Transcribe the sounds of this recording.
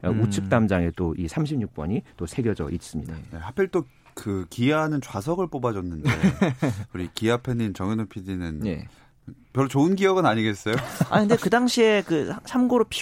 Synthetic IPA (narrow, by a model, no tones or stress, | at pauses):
ut͡ɕʰɯk̚t͈amd͡ʑaŋe̞t͈oʔisʰamɕʰimɲuk̚p͈ʌɲit͈osʰe̞ɡjʌd͡ʑʌ̰ʔis͈ɯmɲidane̞hapʰeɭt͈o | kɯkianɯnt͡ɕwas̬ʰʌɡɯɭp͈obad͡ʑʌnːɯnde̞uɾikiapʰenːint͡ɕʌŋinopʰidinɯnḛ | pjʌɭɾut͡ɕoɯnɡiʌɡɯnaɲiɡe̞s͈ʌjoa̰ɲkʰɯndekɯdaŋɕʰie̞kɯsʰamɡoɾopʰi